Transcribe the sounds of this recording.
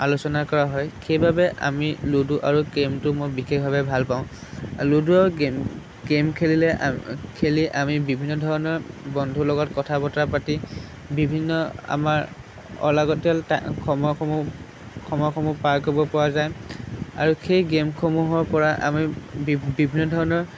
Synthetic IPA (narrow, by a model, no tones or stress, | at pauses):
alusɔnakɔɹaɦɔjxʰejbʱabɛʔa̰miloduʔaɹuɡemtʊmojbixexbʱabɛbʱalpaʊ̃luduaɹu | ɡemkʰelilɛkʰeliʔamibibʱinːɔdʱɔɹɔnɔɹbɔndʱulɔɡɔtkɔtʰabɔtapati | bibʱinːɔa̰maɹ | ɔ̰laɡɔtɔltakʰɔmɔ | kʰɔmɔkʰɔmupaɹkɔbɔpɔɹazaja̰ɹuxʰejɡemkʰomuɦɔɹpɔɹaʔa̰mibibʱinːɔdʱɔɹɔnɔɹ